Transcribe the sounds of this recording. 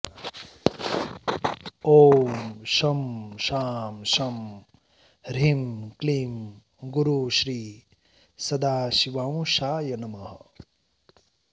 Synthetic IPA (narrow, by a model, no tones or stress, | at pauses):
oːmʃɐmʃaːmʃɐm | ɾimklim | ɡuɾuʃɾiː | sɐd̪aːʃiʋaːw̃ʃaːjɐnɐmɐɦɐ